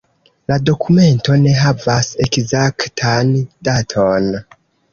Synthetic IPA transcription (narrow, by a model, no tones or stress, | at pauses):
lado̞kʰume̞nto̞ne̞ɦavase̞kzaktʰand̥atʰon